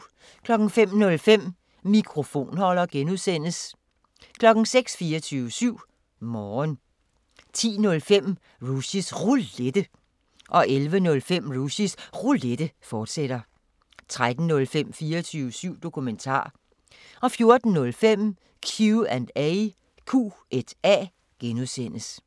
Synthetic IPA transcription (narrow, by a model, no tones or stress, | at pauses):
kʰlɒ̽ɡ̥ŋ̩fem̰nɔ̽lfem̰ | mikʰʁo̝fo̝̰ːnhɒ̽l̰ɐɡ̥enuðˠsen̰əs | kʰlɒ̽ɡ̥n̩seɡ̥sfiːɐt͡sʰyːʊəsyʊ̰ | mɒːn | t͡sʰḭːnɔ̽lfem̰ | ʁusisʁuled̥ə | ʔɒ̽ʔelʋənɔ̽lfem̰ʁusisʁuled̥əfɒːd̥seɾ̥ɐ | t͡sʰʁad̥n̩ːɔ̽lfem̰fiːɐt͡sʰyːʋəsyʊ̰d̥o̝kʰument͡sʰɑ̰̈ː | ʔɒ̽fjo̝ɐd̥n̩ːɔ̽lfem̰ | kʰjuænd̥æɪ | kʰṵːʔed̥ɛ̰ː | ɡ̥enuðˠsen̰əs